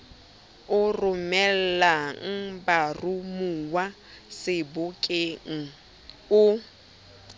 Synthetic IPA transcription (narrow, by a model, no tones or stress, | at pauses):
ʊrʊmɛl̩laŋ̩barumuwa | sɪbʊkʼeŋ̩ | ʊ